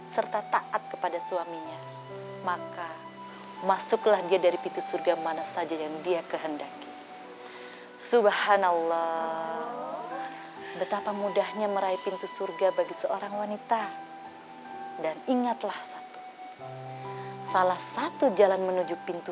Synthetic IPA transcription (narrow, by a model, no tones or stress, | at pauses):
sərt̪at̪aʔat̪̚kəpadasuamiɲa | maka | masʊklahdiadaɾipint̪usurɡamanasad͡ʒajaŋdiakəɦəndaki | subahanalːɔ | bət̪apamudahɲaməɾaipint̪usurɡabaɡisəoɾaŋwanit̪a | daniŋat̪lahsat̪u̥ | salahsat̪ud͡ʒalanmənud͡ʒupint̪u